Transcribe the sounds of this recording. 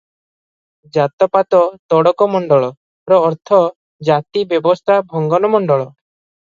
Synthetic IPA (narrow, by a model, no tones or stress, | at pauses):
d͡ʒat̪ɔpat̪ɔt̪ɔɽɔkɔmɔɳɖɔɭɔ | pɾɔːɾt̪ʰɔ | d͡ʒat̪ibjɔbɔst̪ʰabʱɔŋɡɔnɔmɔɳɖɔɭɔ